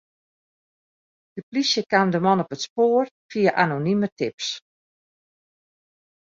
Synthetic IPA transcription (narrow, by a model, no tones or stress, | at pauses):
d̥əplisjəkamdəmɔnɔpətspoːrfiəʔanonimətɪps